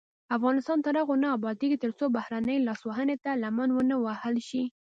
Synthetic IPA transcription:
afɣɑnɪst̪ɑnt̪aɾaɣonaːbɑd̪eɡit̪əɾt͡sobahɾanəjlɑswaɦənet̪alamanwənəwahəlʃi

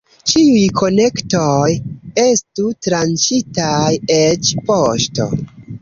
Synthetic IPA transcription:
t͡ʃiujkʰo̞ne̞ktoje̞stutɾant͡ʃitajet͡ʃpoʃto̞̰

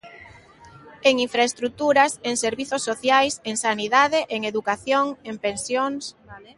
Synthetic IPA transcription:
eŋiɱfɾaest̪ɾut̪uɾaseŋseɾβiθosːoθjajseŋsaniðað̞eʔeŋeðukaθjoŋempensjoŋs

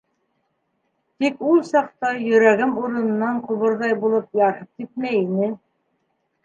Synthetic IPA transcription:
t̪ikulˠsɑqt̪ɑjɵ̆ɾæɡɘmuɾɤ̆nɤ̆nːɑɴqŏβɤ̆ɾðɑjbulˠɤpjɑɾɤp̚k̪it̪̚mæjinɘ

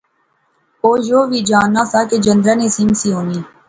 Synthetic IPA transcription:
oːjoːʋiːd͡ʒaːnːaːsaːkeːd͡ʒənd̪ɾaːneːsiːmsiːɦoːniː

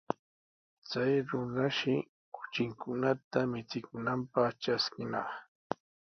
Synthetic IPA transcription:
t͡sajɾʊnaʃɪ | kʊ̥t͡ʃɪŋkʊnat̪amɪt͡sɪkʊnampɑχʈ͡ʂaskɪnɑ̰χ

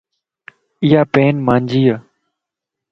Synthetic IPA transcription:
ɪjaːpeːnmãːnd͡ʒiːaː

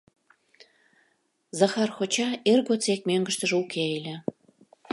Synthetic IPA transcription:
zɑxɑrxot͡ɕɑerɣot͡sek̚møŋɡə̆ʃt̪ə̆ʒukʰeelʲĕ

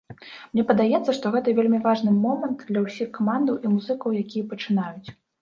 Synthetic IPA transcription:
mnʲɛpɐd̪ajɛt̪sːɐʂt̪ɔɣɛt̪ɐvʲelʲmʲivaʐnɨmɔmɐnt̪d̪lʲɐwsʲixkamand̪ɐwʔimuzɨkɐwjakʲijɐpɐt͡ʂɨnajut͡sʲ

